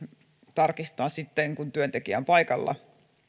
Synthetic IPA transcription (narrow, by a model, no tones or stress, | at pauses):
t̪ɑrkist̪ɑːnsit̪ːeŋkunt̪yønt̪ekiæ̰mpɑjkɑlːɑ̰